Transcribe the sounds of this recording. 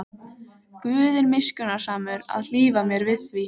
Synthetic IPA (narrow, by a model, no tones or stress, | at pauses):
kvʏːðɪɾmɪscʏnaɾ̥saːmʏɾa̰ðl̥iːvamjɛɾvɪðθvi